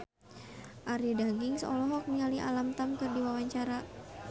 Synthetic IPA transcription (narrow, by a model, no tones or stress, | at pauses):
ʔaɾidaɡɪŋsɔ̰lɔɦɔk̚nialiʔa̰lamt̪amkɨrdiwawaɲt͡ʃaɾa